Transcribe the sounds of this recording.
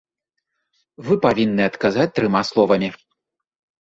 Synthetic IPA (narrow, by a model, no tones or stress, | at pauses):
vɨpavʲinːɨɐt̪kazat͡sʲt̪ɾɨmaslˠɔvɐmʲi